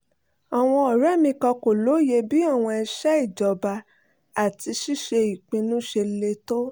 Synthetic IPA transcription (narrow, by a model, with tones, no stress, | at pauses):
ɔ˨w̃ɔ̃˧ɔ˨ɾa˦˨mĩ˧kɔ̃˧ko˨lo˨˦je˧bi˦a˦˨w̃ɔ̃˧ɛ˧ʃa˦i˦˨d͡ʒɔ˨ba˧ | a˨ti˧ʃi˦˨ʃe˧i˨k͡pĩ˧nũ˦ʃe˧le˧to˦